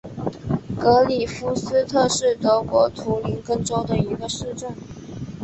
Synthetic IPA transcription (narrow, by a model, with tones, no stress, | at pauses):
kɤ˧˥li˨˩fu˧˥sɹ̩˥t̪ʰɤ˥˧ʂɻ̩˥˩t̪ɤ˧˥kwɔ˧˥t̪ʰu˧˥li˧˥nkɤ˥˧ŋʈ͡ʂo˥ʊd̪ə˨i˧˥ɡə˧ʂɻ̩˥˧ʈ͡ʂə˥˩n